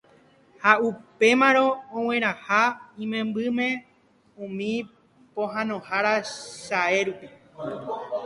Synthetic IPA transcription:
haupe̞mãɾ̃õõwẽ̞ɾ̃ãhaĩmẽ̞mbɨmẽ̞ | ũmĩ | põɦãnõhaɾaʃae̞ɾupi

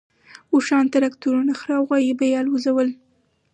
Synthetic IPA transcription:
uʃɑnt̪aɾakt̪uɾunaxɾɑwɣɑjibajɑlwuzawəl

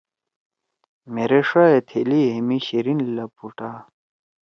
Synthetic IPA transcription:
meɾeʂaet̪ʰeliɦemiɕiɾinlɐpuʈa

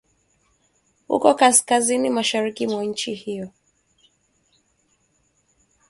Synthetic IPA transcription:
hṵkɔkaskazinimaʃaɾikimwaɲ̩t͡ʃihijɔ

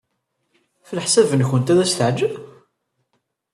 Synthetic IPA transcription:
flħsævənçənt̪æðæst̪əʕd͡ʒəv

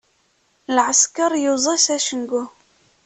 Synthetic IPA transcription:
lʕəskɑɾˤjəzˤɑsæʃənɡu

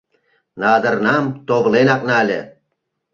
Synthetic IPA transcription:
nɑd̪ɤ̆rnɑmt̪oβlenɑknɑlʲḛ̆

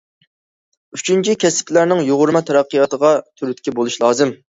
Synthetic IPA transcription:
yt͡ʃʰynt͡ʃʰikʲʰɛskʲlæɾnɪŋjoʁʊɾmɑt̪ʰɛɾɑqːəjɑt̪əʁɑt̪ʰyɾyt̪kʲʰɛbolˠuʃlˠɑːzɨm

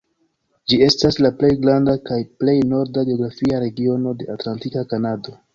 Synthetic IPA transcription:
d͡ʒie̞staslaple̞jɡɾandakajple̞jno̞ɾdaɡio̞ɡɾafiaɾe̞ɡio̞no̞de̞atlantikakanado̞

